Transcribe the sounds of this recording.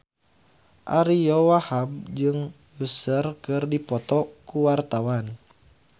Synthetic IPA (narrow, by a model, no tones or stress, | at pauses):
ʔaɾijɔwahab̚d͡ʒɨŋ | jusərkɨrdipɔt̪ɔkuwart̪awan